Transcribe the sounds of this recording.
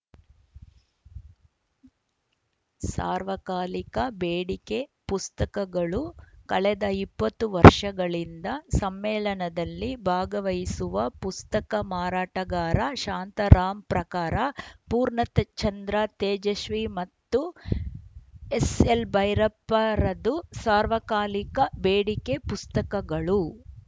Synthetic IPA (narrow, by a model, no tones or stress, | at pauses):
sa̰ːɾʋɐkaːlikɐbeːɽike̞pust̪ɐkɐɡɐɭukɐɭɛd̪ɐipːɐt̪ːuʋɐɾʂɐɡɐɭind̪ɐsɐmːɛːlɐnɐd̪ɐlːibʱaːɡɐʋɐjisuʋɐpust̪ɐkɐmaːɾaːʈɐɡaːɾɐʃaːnt̪ɐɾaːmpɾɐkaːɾɐpuːɾɳɐt̪ɐt͡ʃɐnd̪ɾɐt̪eːd͡ʒɐʃʋimɐt̪ːu | eselbɐjɾɐpːɐɾɐd̪usaːɾʋɐkaːlikɐbeːɽikepust̪ɐkɐɡɐɭu